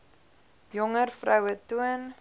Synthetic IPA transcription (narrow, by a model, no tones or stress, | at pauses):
jɔŋərfrœwətuən